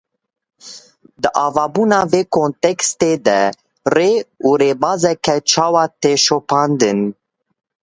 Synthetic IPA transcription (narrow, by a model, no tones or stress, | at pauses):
d̪əʔɑːvɑːbunɑveːkõnt̪ɛkst̪ed̪ɛ | reuɾebɑːzɛkʰɛt͡ʃʰɑːwɑt̪eʃopʰɑːnd̪ɨn